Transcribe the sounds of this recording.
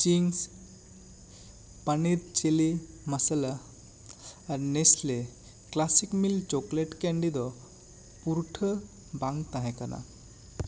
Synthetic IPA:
t͡ʃiŋs | paniɾt͡ʃeli | məsəla | ɾnesle | klasikmilt͡ʃokleʈkeɳɖid̪ɔ | puɾʈʰə | baŋt̪aɦɛ̃kana̰

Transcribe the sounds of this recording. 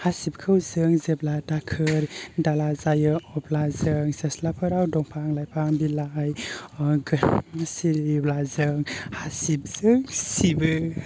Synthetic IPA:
hasip̚kʰɯwzɯŋzebladakʰɯɾdalazajɯɔplazɯŋseslapʰɯɾawdɔŋpʰaŋlajpʰaŋbilajɡɯsiɾiblazɯŋhasip̚z̥ɯŋsibɯ

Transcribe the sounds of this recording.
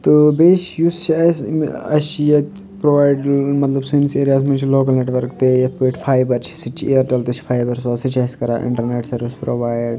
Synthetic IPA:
t̪obeːʃjust͡ʃʰɐsɐ̰ʃijɐt̪ | pɾoːʋaːjɖmɐt̪lɐbsinseːɾijaːzmẽt͡ʃʰiloːk̬ɐlneːʈʋɐɾkt̪ejɐt̪̚ʰpoʈfʰaːjbɐɾt͡ʃʰi̥sit͡ʃʰiiɐɾʈɐlt̪ɐt͡ʃʰfʰaːjbɐɾsoːsit͡ʃʰɐskɐɾa̰ːʔɪ̰̃ɳʈɐɾneʈsɐɾʋispɾoʋaːjɖ

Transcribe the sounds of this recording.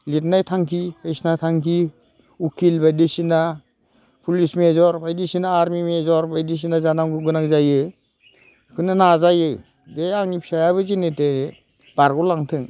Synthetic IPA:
litnajtʰaŋkʰibajsnatʰaŋkʰi | ukʰilbajdisina | pʰulismezɔɾbajdisinaːɾmimezɔɾbʱajdis̬inazanamɡɯɡɯnakzajɯj | kʰɯnanazajɯj | deaŋnipʰi̥sajaβɯzinete | b̥aɾɡɔlaŋtʰɯŋ

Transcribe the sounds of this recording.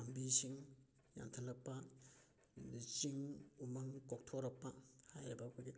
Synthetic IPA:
ambisiŋ | ja̰ntʰɐlɐk̚pːa | lit͡ʃiŋumɐŋkok̚tʰoɾɐk̚pːɐhajabakʰuɡi

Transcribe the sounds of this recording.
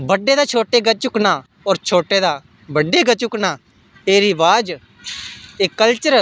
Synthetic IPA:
bəɖːeːd̪aːt͡ʃʰoːʈeːɡət͡ʃʊknaː | ɔːɾt͡ʃʰoːʈeːd̪aː | bəɖːeːɡət͡ʃʊknaː | eːɾiːbaːd͡ʒ | eːkəlt͡ʃəɾ

